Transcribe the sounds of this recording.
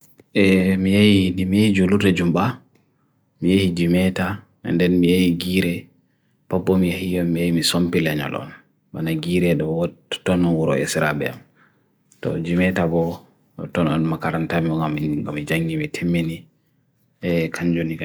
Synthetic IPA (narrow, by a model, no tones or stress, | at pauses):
ɛmijajinimijahid͡ʒuluɾdɛd͡ʒumba | mijahid͡ʒimɛta | ɛ̰ndɛnmijajiɡiːɾɛ | b̥abɔmijahijɔmijajimisompilɛɲɔ̰lɔ̰n | banaɡiːɾɛɗɔwɔtɔnɔnwuɾɔ̰ʔɛ̰siɾabɛ̰a̰m | tɔ̰d͡ʒimɛtabɔ | tɔnɔ̰nmakaɾantamiɔŋɡamɡamid͡ʒaŋɡimitʰemːini | ɛkʰaɲd͡ʒonia